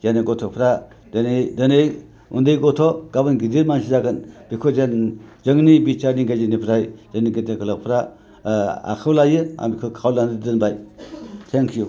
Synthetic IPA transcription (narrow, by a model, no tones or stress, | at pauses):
zenɯɡɔtʰɔpʰɾa | dɯnejdɯnej | ṵndejɡɔtʰɔɡabɯnɡidiɾmansʰizaɡɯnb̥ikʰozenzɯŋnibit͡ʃaɾniɡazinipʰɾajzaŋniɡitakʰɯlak̚pʰɾa | a̰kʰɯwlajɯa̰mikʰɯwkʰawlanddɯnbajtʰeŋkʰiju